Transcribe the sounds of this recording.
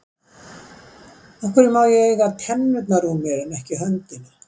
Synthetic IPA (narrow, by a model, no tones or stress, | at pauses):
ɔhkɪɾɪmaːwjɛɣejɣaðt̪ʰɛnːʏt̪naɾunmjɛɾɪnɛhcɪɦœnt̪ɪna